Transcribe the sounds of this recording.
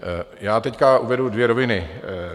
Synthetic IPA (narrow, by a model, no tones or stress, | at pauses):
jaːt̪ɛckaʔuvɛdudvjɛɾovɪnɪ